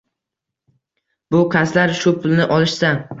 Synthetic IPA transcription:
bʊkʰaslaɾʃʊpʰʊlˠnɪʔɒlˠɪʃsa

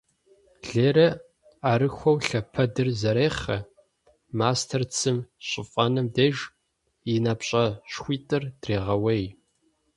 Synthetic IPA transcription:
ɮeːɾɐ | aːɾɨxʷɔwɬɐpʰɐdɨrzɐɾeːχɐ̰ | maːstʰɐrt͡sʰɨmɕʼɪfʼɐnɨmdeʒ | jinapɕʼɐɕxʷiːtʼɨrd̥reːʁɐwej

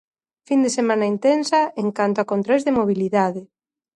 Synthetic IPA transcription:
find̪esemãnaint̪ensɐeŋkant̪oakont̪ɾojzðemoβ̞iliðaðɪ

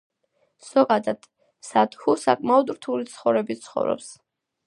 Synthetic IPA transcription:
z̥ɔɡad̪ad̪̥ | sat̪xusa̰kʼmaɔd̪ɾt̪ʰulit̪sʰχɔvɾɛbit̪sʰχɔ̰vɾɔ̰ps

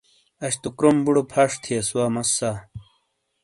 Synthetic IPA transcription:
ɐɕt̪ukɾombuɽopʰɐʂt̪ʰiɐsuwaːmɐsːa

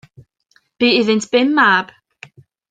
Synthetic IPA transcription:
b̥iːɪðɪntʰb̥ɪmːab̥

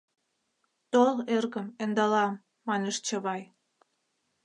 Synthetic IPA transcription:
t̪olerɣə̆mend̪ɑlɑmː | ɑneʃt͡ɕə̆βɑj

